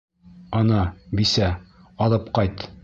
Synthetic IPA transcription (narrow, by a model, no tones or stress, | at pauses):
ɒnɑbisæ | ɒlˠɤpqɒjt̪